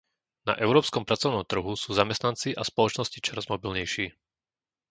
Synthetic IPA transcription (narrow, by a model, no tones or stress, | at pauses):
na̰ʔɛʊɾɔːpskɔmpɾat͡sɔʊnɔmt̪r̩ɦusuːzamɛst̪nant͡siʔaspɔlɔt͡ʃnɔscit͡ʃɔɾazmɔbilɲɛjʃiː